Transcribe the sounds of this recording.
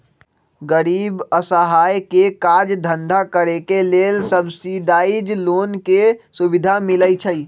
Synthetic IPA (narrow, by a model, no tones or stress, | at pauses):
ɡəɾiːbəsəɦajkekaɾd͡ʒd̪ʱənd̪ʱakəɾekelelsəbsiɖ̪aid͡ʒloːnkesubid̪ʱamiləjt͡ʃʰəi